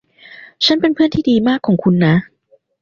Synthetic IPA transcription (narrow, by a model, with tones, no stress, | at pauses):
t͡ɕʰa˦˥npe˧npʰɯ˥˩ənt̪ʰiː˥˩diː˧maː˥˩kʰːɔː˩˦ŋkʰu˧nːa˦˥